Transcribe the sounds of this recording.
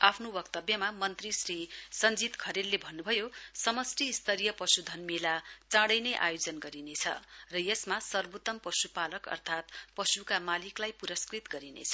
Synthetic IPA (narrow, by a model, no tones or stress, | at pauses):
apʰnobʌkt̪ʌbjʌmamʌnt̪risrisʌnd͡zit̪kʰʌɾelːebʱʌnːubʱʌjosʌmʌsʈiːst̪ʰʌɾijʌpʌsud̪ʱʌnmelat͡sãɽʌjnʌjʔa̰jod͡zʌnɡʌɾinet͡sʰʌ̰rʌjesmasʌrbot̪ʌmpʌsupalʌkʌ̰rt̪ʰat̪pʌsukamaliklajpuɾʌskrit̪ɡʌɾinḛt͡sʰʌ